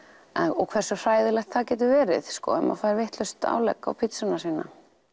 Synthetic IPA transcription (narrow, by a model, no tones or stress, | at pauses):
ɛnɔɣkʰvɛr̥sʏr̥aːjðɪlɛxt̪θaðcɛːt̪̬ʏɾvɛːɾɪ̰ðskɔ̰ʏma̰faːɾvɪht̪lœst̪a̰wlɛ̰kːa̰wpʰɪt̪sʏnasiːnːa̰